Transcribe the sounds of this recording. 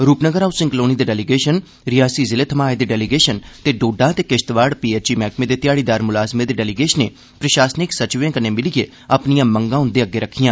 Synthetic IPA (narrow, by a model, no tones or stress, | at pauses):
ɾuːpnəɡəɾaːusɪ̃ŋkloːnid̪eːɖɛːliɡeːʃən | ɾɪjaːsiːzɪleːt̪ʰəmaːed̪eːɖɛːliɡeːʃənt̪eːɖoːɖãːt̪eːkɪʃt̪ʋaːɽpiːeːt͡ʃiːmɛːkmẽːd̪eːt̪ɪjaːɽiːd̪aːɾmʊlaːzmed̪eːɖɛːliɡeːʃneː | pɾəʃaːsnɪksət͡ʃʋẽːkənːeːmɪlɪɡeː | əpnijãːməŋɡãːʊ̃nd̪eːəɡːeːɾəkʰːijãː